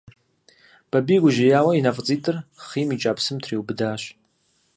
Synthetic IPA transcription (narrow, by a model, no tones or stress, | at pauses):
b̥abiɡʷʊʒajaːwainafʼt͡sʼitʼɨrχimit͡ʃʼapʰsɨmtʰriwbɨdaːʃ